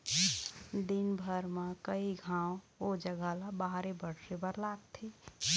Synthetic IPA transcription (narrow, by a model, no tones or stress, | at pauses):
d̪inbʱəɾmakəiɡʱãːõ | od͡ʒəɡʱalabaɦɾebəɽsebəɾlat̪ʰːi